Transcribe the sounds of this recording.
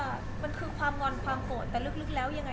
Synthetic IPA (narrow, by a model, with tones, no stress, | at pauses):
ʔː | ma˧nkʰɯː˧kʰwaː˧mŋɔ˧nkʰwaː˧mko˨˩t̪ːɛː˨˩lɯ˥˩k̚lɯ˥˩k̚lɛː˦˥wja˧ŋːa˧